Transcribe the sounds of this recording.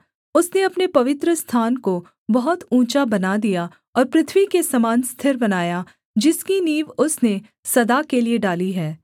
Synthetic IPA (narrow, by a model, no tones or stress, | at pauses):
ʊsneɐpnepɐʋɪt̪ɾəst̪ʰaːnko | bɐɦʊt̪ũːt͡ʃabɐnad̪ija | ɔːɾpɾɪt̪ʰʋikesɐmaːnst̪ʰɪɾbɐnaːja | d͡ʒɪskiniːʋʊsne | sɐd̪akelieɖaːliɦɛː